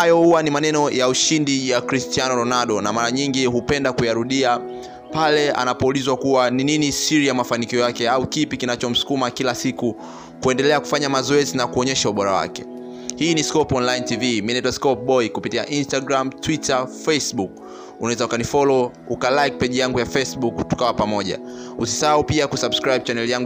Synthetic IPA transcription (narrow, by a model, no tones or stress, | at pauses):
hajɔhuwanimanɛnɔjauʃindijakɾistianɔɾɔnaɗɔnamaɾaɲiŋɡiɦupɛndakujaɾuɗia | palɛa̰napɔulizwakuwanininisiɾijamafanikiɔjakɛaukipikinat͡ʃɔm̩su̥kumakilasiku | kuɛndɛlɛaku̥faɲamazɔɛzinakuɔɲɛʃauɓɔɾa̰wa̰kɛ̥̰ | hiːniskɔpɔnlaintiviminaitwaskɔp̚ɓɔikupitija̰ʔinstaɡɾamtwitafɛsɓuk̚ | unawɛzaukanifɔlɔ | ukalajk̚pɛʄijaŋɡujafɛsɓuktu̥kawapamɔʄa̰usi̥sahaupiakusabskɾajb̚t͡ʃanɛlijaŋɡu